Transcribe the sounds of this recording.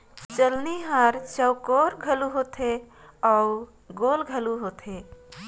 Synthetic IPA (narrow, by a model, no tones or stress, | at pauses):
t͡ʃəlniɦaɾt͡ʃəʊkoɾɡʱəluɦot̪ʰe | ɔ | ɡolɡʱəluɦot̪ʰe